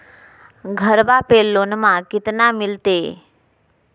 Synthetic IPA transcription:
ɡʱəɾbapelːonmãkɪt̪namɪlt̪e

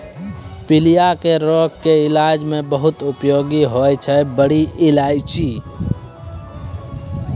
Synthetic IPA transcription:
pilijakeɾokːeɪlad͡ʒmẽbəɦut̪upjoɡiɦojt͡ʃʰɛbəɽiʔɪlad͡ʒt͡ʃʰi

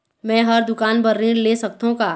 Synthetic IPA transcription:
mɛ̃ːɦɐɾd̪ʊkaːnbɐɾːĩɾleːsɐk̚t̪õkaː

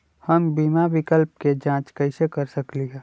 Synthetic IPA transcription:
həmbiːmaʋɪkəlp̚ked͡ʒãːt͡ʃkəɪsekəɾsəkliɦɛ

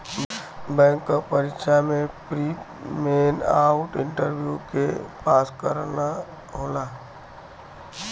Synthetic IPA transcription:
bɛ̃ːŋkːapəɾɪkʃamẽpɾiː | meːnaːʊʈɪ̃ɳʈəɾʋjukepaːskəɾna | ɦoːlaː

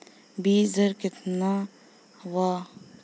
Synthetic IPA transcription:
biːzɐɾkɪt̪na | wa

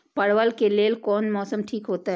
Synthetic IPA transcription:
pɐɽʋəlkeleːlkɔːnmɔːsəmʈʰiːkɦoːt̪aɦ

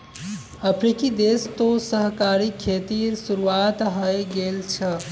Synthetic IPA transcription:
əpʰɾikid̪est̪osəɦkaɾikʰet̪iɾsuɾuat̪ɦəjɡelt͡ʃʰə

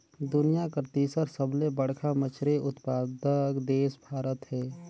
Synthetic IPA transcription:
d̪ʊnijakɾt̪iːsəɾsəblebəɽ̤kʰamət͡ʃʰɾeʔʊt̪paːd̪əkd̪eːsbʱaːɾət̪ɦɛː

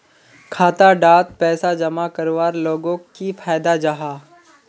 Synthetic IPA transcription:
kʰaːt̪aɖaːt̪̚pɛːsad͡ʒɐmakɐɾʋaːɾloːɡõkifʰaːjd̪ad͡ʒaɦaː

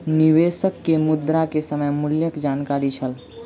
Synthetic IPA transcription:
niʋeːʃəkːemʊd̪ɾakesəməjmʊljəkd͡ʒaːnkaɾit͡ʃʰəl

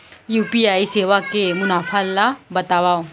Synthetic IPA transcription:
juːpiaːiseːʋakemʊnaːfalːabɐt̪aːʋaːo

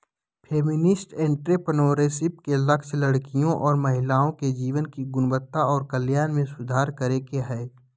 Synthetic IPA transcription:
pʰeːmɪnɪsʈẽːɳʈɾepənoːɾeːsɪpkelɐkʃlɐɽkijõʔɔːɾmɐɦɪlaːõked͡ʒiːʋənkiɡʊnbət̪ːaɔːɾkəljaːnmẽsʊd̪ʱaːɾkəɾekeɦɛː

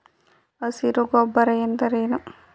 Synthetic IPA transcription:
ɐsiɾuɡɔbːɐɾɐjent̪ɐɾeːnu

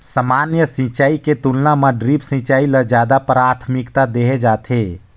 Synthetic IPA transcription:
səmanjəsĩt͡ʃaːiket̪ulnamaɖɾipsĩt͡ʃailəd͡ʒjad̪apɾat̪ʰmikt̪ad̪eɦed͡ʒaːt̪ʰe

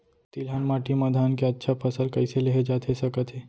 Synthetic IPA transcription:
t̪iːlɦaːnmaːʈimaːd̪ʱaːnkeɐtːʃʰapʰɐsəlkɐɪseleɦed͡ʒaːt̪ʰesɐkət̪ɦɛː

